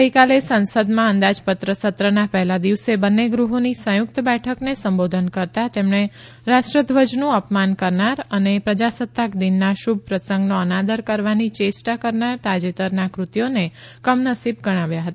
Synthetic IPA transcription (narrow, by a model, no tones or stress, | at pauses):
ɡəɦikalesənsəd̪mãənd̪ad͡ʒpət̪ɾəsət̪ɾənapɛɦlad̪iʋsebənːeɡɾuɦonisə̃jʊk̚t̪bɛʈʰəknesəmbod̪ʱənkəɾt̪at̪emɳ̃e | ɾaʃʈɾəd̪ʱʋəd͡ʒnũəpmankəɾnaɾənepɾəd͡ʒasət̪ːakd̪inːaʃub̚ʱpɾəsə̃ŋɡnoənad̪əɾkəɾʋanit͡ʃesʈakəɾnaɾt̪ad͡ʒet̪əɾnakɾut̪ijone | kəmnəsib̚ɡəɽ̃aʋjaɦət̪a